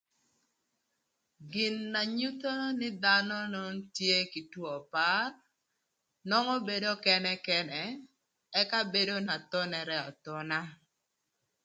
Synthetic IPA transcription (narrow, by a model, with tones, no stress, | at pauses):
ɡɪ˨nːa˨ɲu˦t̪o˦nɪ˦d̪anɔ˦no˦ntje˦ki˨twɔ˨pa˦r | nɔ˦ŋɔ˦be˦do˦kɛ˦nɛ˦kɛ˦nɛ˨ | ɛ˦ka˦be˦do˦na˨t̪ɔ˦nɛ˨ɾɛ˦ɔ˨t̪ɔ˦na˦